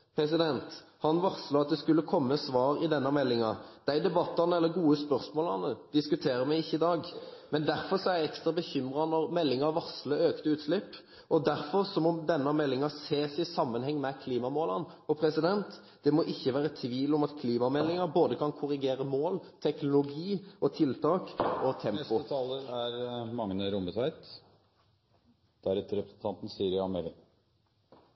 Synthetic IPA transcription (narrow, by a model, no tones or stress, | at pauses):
pʰɾɛs̬ɪd̪ɛnt̪hɑnʋɑɾslɑɑt̪̚d̪ɛskʉlːəkʰɔmːəsʋɑːɾɪd̪ɛnːɑmɛlːɪŋɑd̪̥æɪd̪ɛbɑt̪ːɑʁnəɛlːəɡuːəspœɾsmoːlɑnəd̪̥ɪskʉt̪ʰeːɾəmæɪɪçːəɪd̪ɑːɡmɛnd̪æɾfɔɾsɔɛææɛkst̪ɾɑbəçʏmʁɑnɔɾmɛlːɪŋɑʋɑʁsləøːkt̪əʉːt̪slɪpː | ʔɔd̪æɾfɔɾsɔmɔmd̪ɛnːɑmɛlːɪŋɑseːsɪsɑmːənhɛŋːmɛkʰliːmɑmoːlɑnɔpʰɾɛsɪd̪ɛnt̪ | d̪̥ɛmɔʔɪçːəʋæːɾət̪ʰʋiːlɔmɑt̪kʰliːmɑmɛlːɪŋɑɾboːd̪əkʰɑnkʰʊʁɪɡeːɾəmoːlt̪ʰɛknʊlʊɡiːɔt̪ʰɪlt̪ʰɑːkɔt̪ʰɛmʊət̪ʰɑːləæɾmɑŋnəɾʊmət̪ʋæɪt̪ | d̪̥æɾɛt̪ːəɾɛpɾəsn̩t̪ʰɑnt̪n̩siːɾɪɑmeːlɪ